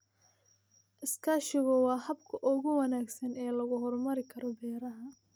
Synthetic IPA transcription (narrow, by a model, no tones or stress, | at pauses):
ʔɪskʰaːʃɪɣɐwɑːhɐbkʰɐʔɔɣʊwɐnaːɡsɐnɛːlɐɣʊɦɔrmɐɾɪkʰɐɾɔbɛːɾɐɦɐ